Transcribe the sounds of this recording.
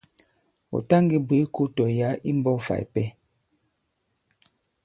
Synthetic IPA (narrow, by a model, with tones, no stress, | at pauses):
o̰˨ta˦ŋɡi˨bwe˨˦ko˦tɔ˨ja˨˦i˦m˦bɔ˦fa̰˨jpɛ˦